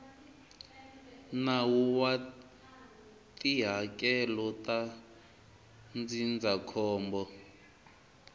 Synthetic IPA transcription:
nawuwa | tʼiɦakɛlɔtʼa | nd͡zind͡zakʰɔːmbɔ

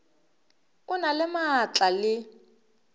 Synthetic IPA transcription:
ʊnalɪmat͡ɬalɪ

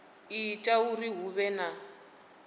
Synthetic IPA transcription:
itʼauriɦuβɛna

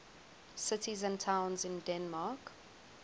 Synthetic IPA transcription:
sɪtizə̃ntʰãʊ̃nzɪ̃ndɛ̃nmaːˑk

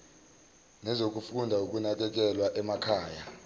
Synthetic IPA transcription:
nɛzok̬ufundʱauk̬ʼunak̬ɛk̬ɛlwaʔɛmakʰaːja

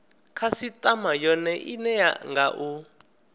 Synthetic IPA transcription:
kʰasitʼamajɔnɛʔinɛja̰ŋɡaʔu

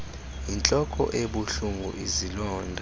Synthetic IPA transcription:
int͡ɬʼɔkʼɔ̰ʔeɓuɬuŋɡʱṵʔizilɔːndʱa

